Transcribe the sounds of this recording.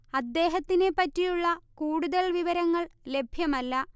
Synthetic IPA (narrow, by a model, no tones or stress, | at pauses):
ɐd̪ːe̞ːɦɐt̪ːine̞pːɐtːijuɭːɐkuːɽuðɐlʋiʋɐɾɐŋːɐɭle̞bʱjɐmɐlːɐ